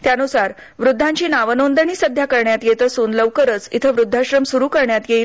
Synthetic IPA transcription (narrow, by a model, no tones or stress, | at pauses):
t̪janusaɾ | ʋɾud̪ʱːãɲt͡ɕiːnaʋənond̪əɳ̃iːsəd̪ʱjakəɾɳjat̪jet̪əsuːnləʋkəɾət͡sit̪ʰəʋɾud̪ʱːaɕɾəmsuɾuːkəɾɳjat̪jeil